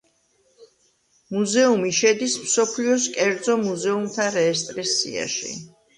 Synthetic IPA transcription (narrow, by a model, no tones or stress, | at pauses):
muzɛumiʃɛd̪ismsɔpʰliɔs̬kʼɛɾd̪zɔmuzɛumt̪ʰaɾɛːst̪ʼɾisːḭa̰ʃḭ